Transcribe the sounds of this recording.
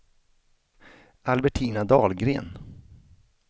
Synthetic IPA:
ʔalbɛʈʰiːnad̪ɑːlɡɾḛːn

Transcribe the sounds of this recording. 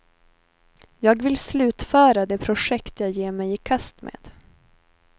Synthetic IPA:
jɑːɡvɪlslʉ̟ːt̪fœːɾad̪ɛpʰɾʊʂɛkt̪jɑːjeːɾmɛjɪkʰast̪mʔḛːd̪̥

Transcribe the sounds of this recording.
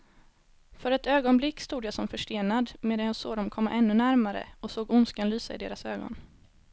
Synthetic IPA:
fœɾɛt̪øːɡɔnblɪkːst̪uːd̪jasɔmfœʂʈeːnad̪meːd̪anjaːso̰ːd̪ɔmkʰɔmːa̰ʔɛnːɵnæɾmaɾə̰ɔsoːɡʊnskanlyːsaɪd̪eːɾasøːɡɔ̰n

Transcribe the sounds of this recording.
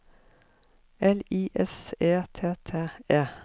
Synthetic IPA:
ɛliːʔɛseːt̪ʰeːt̪ʰeːeː

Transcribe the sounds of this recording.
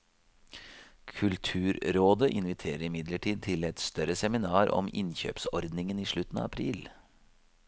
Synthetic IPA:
kʰʉlt̪ʰʉːɾɾoːd̪əʔɪnʋɪt̪ʰeːɾəɾɪmɪd̪ləʈʰiːd̪̚t̪ʰɪlɛt̪st̪œɾəsɛmɪnɑːɾɔ̰mɪ̰nçø̰ːpsɔɾd̪nɪŋəniːʂɭʉt̪n̩ɑ̰ːɑpʰɾiːl

